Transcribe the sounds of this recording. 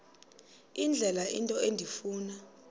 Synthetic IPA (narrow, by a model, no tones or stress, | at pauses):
ind͡ɮʱɛlaʔintʼɔendʱifuːna